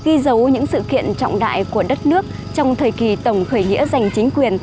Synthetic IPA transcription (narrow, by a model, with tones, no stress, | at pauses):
ɣi˧zə˨˦wɲɨ̰˧˥ŋsɨ̰˧˨kḭ˧˨ənt͡ɕɔ̰˧˨wŋ͡mɗa̰ː˧˨jku˧˩əɗə˦˥t̚nɨ˦˥ək̚ | t͡ɕɔ˧wŋ͡mt̪ʰəː˨˩jki˨˩t̪ə˨˩wŋ͡mxəː˧˩jŋḭ˧˥əza˨˩jŋ̟t͡ɕï˨˦ŋ̟kwi˨˩ən